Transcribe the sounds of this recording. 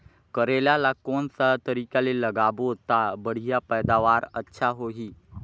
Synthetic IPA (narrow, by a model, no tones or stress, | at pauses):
kəɾeljalakɔnsat̪əɾikaleləɡabot̪abəɽ̤ijapəjd̪aʋaɾətːɕʰaɦoɦiː